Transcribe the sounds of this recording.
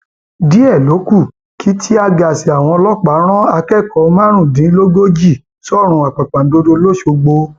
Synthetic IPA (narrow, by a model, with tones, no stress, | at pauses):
di˨˦ɛ˦˨lo˨˦ku˦˨ | kʰi˨˦tʰi˦a˧ɡa˨si˨a˨w̃ɔ̃˧lɔ˦k͡pa˨˦ɾ̃ɔ̃˦a˧kɛ˦˨kɔ˨˦˧mã˦ɾ̃ũ˦˨dĩ˨˦lo˦ɡo˦d͡ʒi˦˨ | sɔ˦˨ɾ̃ũ˧˦a˨k͡pa˨k͡pã˨n˨˦do˧do˧˦lo˦˨ʃo˧ɡ͡bo˧